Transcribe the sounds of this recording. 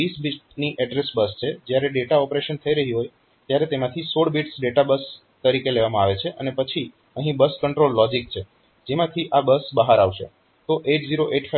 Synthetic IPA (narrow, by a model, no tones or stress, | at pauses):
isbiʈniʔɛɖɾesbəst͡ʃʰed͡ʒjaɾeɖeʈaɔpɾeʃənt̪ʰəiɾəɦiɦoj | t̪jaɾet̪emãt̪ʰisoɽbiʈsɖeʈabəs | t̪əɾikeleʋamãaʋet͡ʃʰeʔənepət͡ʃʰi | əɦĩbəskəɳʈɾolːɔd͡ʒik̚t͡ʃʰe | d͡ʒemãt̪ʰiʔabəsbəɦaɾaʋʃḛ | t̪oʔeʈziɾoʔeʈfa